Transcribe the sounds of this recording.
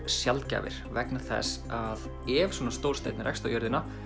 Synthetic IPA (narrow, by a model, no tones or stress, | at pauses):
sjalt̪ca̰ːvɪ̰ɾ̥vɛknɪ̥θɛ̰s | að | ɛvsɔːnast̪oːwɾ̥rst̪ḛːjt̪nɪɾɛ̰kst̪awjœɾðɪna